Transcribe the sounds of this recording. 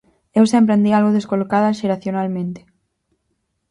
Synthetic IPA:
ewsẽmpɾend̪ialɣoðeskolokaðɐʃeɾaθjonalmẽnt̪e̥

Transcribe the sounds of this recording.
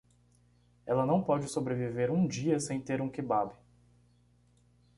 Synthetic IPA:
ɛlɐnɐ̃w̃pɔd͡ʒɪsobɾeviveɾũd͡ʒiɐsẽj̃t̪eɾũkɪbabɪ

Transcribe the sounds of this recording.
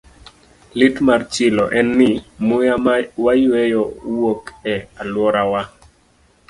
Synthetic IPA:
lɪtmart͡ʃɪlɔ̰ʔɛnːɪmʊjawajwejɔwokɛalwɔɾawa

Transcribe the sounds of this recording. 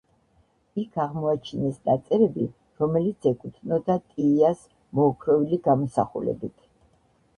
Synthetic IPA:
ikʰaʁmɔat͡ʃʰinɛsnat̪sʼɛɾɛbi | ɾɔmɛlit̪sʰɛkʼut̪ʰnɔd̪at̪ʼiːas | mɔːkʰɾɔviliɡamɔsa̰χṵlɛ̰bit̪ʰ

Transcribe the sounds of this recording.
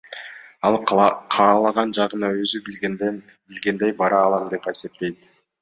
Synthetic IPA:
ɑlˠqʰɑːlˠɑʁɑnd͡ʒɑʁɯnɑøzyb | bilɡe̞nd̪e̞jbɑɾɑːlˠɑmd̪e̞pe̞se̞p̚t̪e̞jt̪

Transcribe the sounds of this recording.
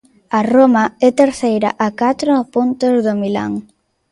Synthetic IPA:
ɐromɐɛt̪eɾθejɾɐ̰ʔakat̪ɾʊpont̪ezðomila̰ŋ

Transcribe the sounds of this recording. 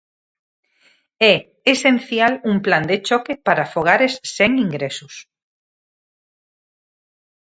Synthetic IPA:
ɛ | esen̟θjalumpland̪et͡ʃɔkepaɾafoɣ̞aɾesːeŋĩŋɡɾesus

